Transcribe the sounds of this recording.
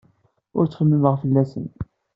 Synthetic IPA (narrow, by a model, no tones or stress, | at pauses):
ʊ̰ɾt͡sːχəmːiməʁfəlːæsə̰n